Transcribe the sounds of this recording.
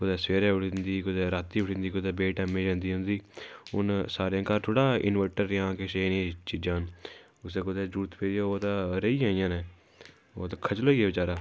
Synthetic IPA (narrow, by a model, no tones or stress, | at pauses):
kʊd̪ɛːsʋeːɾeːʊʈʰːnd̪iːkʊd̪ɛːɾaːt̪ːiːʊʈʰːnd̪iːkʊd̪ɛːbeːʈɛmẽːd͡ʒãːnd̪iːɦʊ̃nd̪iːʊ̰nsaːɾjãːkaːɾt̪ʰoːʈaːɪ̰nʋəʈəɾjãːkeʃeːnẽːt͡ʃiːd͡ʒãːn | ʊseːkʊd̪ɛːd͡ʒuːt̪peːɾãːoːt̪ãːɾəiːaːijãːnɛː | oːt̪aːkʰət͡ʃloːiːɛːʋɪt͡ʃaːɾaː